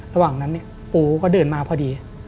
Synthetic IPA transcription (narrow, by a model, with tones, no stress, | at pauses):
ɾa˧waː˨˩ŋna˦˥nːi˧˩ɐ | puː˧˩kɔː˥˩dɤː˧nmaː˧pʰɔː˧˩diː˧